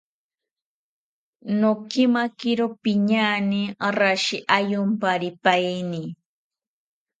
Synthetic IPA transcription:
nokimakɪɾopɪɲaniɾaʃiʔajʊmpaɾɪpajni

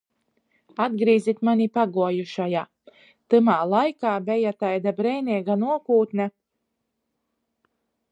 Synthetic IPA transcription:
ad̪̚ɡɾiːzʲit̪manʲipaɡuɔjuʃajaː | t̪ɨmaːlˠajkaːbʲɛjat̪ajd̪abɾɛjnʲiɛɡanuɔkuːt̪nʲa

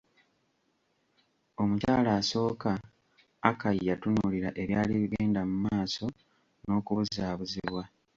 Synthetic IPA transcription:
o̞mucaːlaːso̞ːkaː | kajjatunuːliɾaʔe̞βjaːliβiɡeːndamumaːso̞ | no̞ːkuβuzaːβuzḭβwa

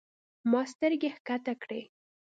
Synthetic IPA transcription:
mɑst̪əɾɡehkat̪akɽe

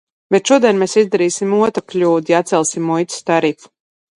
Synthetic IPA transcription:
bɛt̪ʃuɔd̪ɛnmesizd̪aɾiːsimuɔt̪ɾaklʲuːd̪jat̪sɛlˠsimːujt̪ʲst̪aɾifu̥

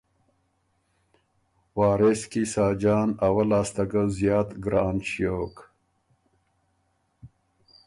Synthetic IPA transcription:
wɑːɾeskisaːd͡ʒɑːnawɐlaːst̪ɐɡazjɑːt̪ɡɾɑːnɕjoːk

